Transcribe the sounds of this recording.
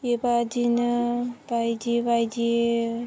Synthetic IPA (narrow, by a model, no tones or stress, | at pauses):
ebad͡ʒinbajd͡ʒibajd͡ʒi